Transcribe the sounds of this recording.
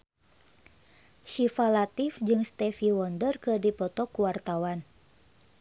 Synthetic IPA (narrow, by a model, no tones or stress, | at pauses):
ʃifalat̪ifd͡ʒɨŋst̪ɛfiwɔndərkɨrdipɔt̪ɔkuwart̪awan